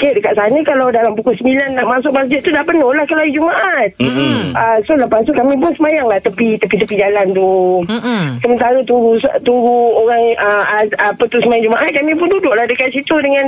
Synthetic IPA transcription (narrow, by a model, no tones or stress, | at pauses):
kedəkaʔ̪̚sanəkalawdalampukʊlsəmbilanːaʔmasʊk̚masd͡ʒɪt̪̚t̪ːudapənolahkəlajid͡ʒumaʔat̪̚əsoləpast̪ukamĩp̬ʊnsəmajaŋlaht̪əpit̪əpit̪əpid͡ʒalant̪u | səmənt̪aɾət̪uɾust̪uɾuoɾaŋəapət̪usəmajaŋd͡ʒumaʔat̪̚kamĩpʊndudʊʔlahdəkat̪̚sit̪udəŋãn